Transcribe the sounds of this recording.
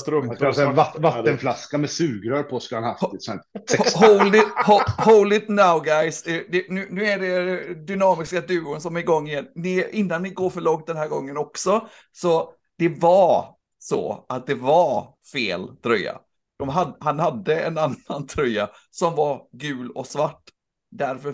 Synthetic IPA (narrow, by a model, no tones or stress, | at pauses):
t̪ɾoasɛvavat̪ːənflaskamɛsʉ̟ːɡɾœɾpʰɔskɵləhanhaft̪isɛnɛɦolɪhohoʊlɪt̪naʊɡajsɛd̪ɛnʉ̟ːnʉ̟ːæɖɛd̪ʏnɑːmɪskad̪ʉ̟ːʊnsɔmæɾɡɔŋːɪjɛnːnɪʔɪnːanːɪɡoːɾfœɭɔŋt̪̚d̪ɛnɦæːɾɡɔŋːənɔksɔ | sɔ | d̪̥ɛva | sɔ̰at̪̚d̪ɛva | fḛːlt̪ʰɾœjːa̰ | d̪̥ɔmɦad̪hanhad̪ːəɛ̰nanant̪ʰɾœja̰sɔmvaɾɡʉ̟ːlɔ̰svaʈː | d̪æɾfœ